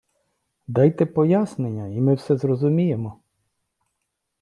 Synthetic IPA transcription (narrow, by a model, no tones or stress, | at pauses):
d̪ɑjt̪ɛpɔjasnenʲːɐimɪwsɛzrɔzʊmʲije̞mɔ